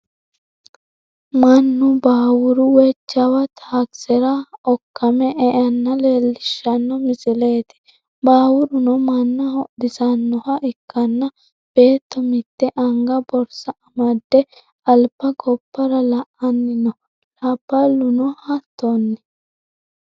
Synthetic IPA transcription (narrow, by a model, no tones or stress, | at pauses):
mɐnːʊbaːwʊɾʊwɛt͡ʃːɐwɐt̪ʰaːksɛɾɐɔkːɐmɛʔɛʔɐnːɐleːlːɪʃːɐnːɔmɪsɪle̞ːt̪ɪ̥ | baːwʊɾʊnɔmɐnːɐhɔʔd̪ɪsɐnːɔhɐʔɪkːɐnːɐ | b̥e̞ːt̪ːɔmɪt̪ːɛʔɐŋɡɐbɔɾsɐɐmɐd̪ːɛ | ɐlbːɐɡɔpːɐɾɐlɐʔɐnːɪnɔ | lɐb̥ːɐlʊnɔhɐt̪ːɔnːɛ̥